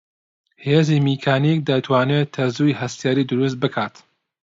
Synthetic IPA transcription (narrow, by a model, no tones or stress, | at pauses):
heːzimikʰaːnik̚d̪ɐt̪ʰwaːnet̪ʰɐzujhɐst̪jaːɾiːd̪ɨɾus̬t̪̚bɨkʰaːt̪